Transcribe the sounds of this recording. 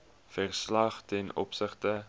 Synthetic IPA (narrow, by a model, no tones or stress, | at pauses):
færslɐχtɛnɔ̰psəχtə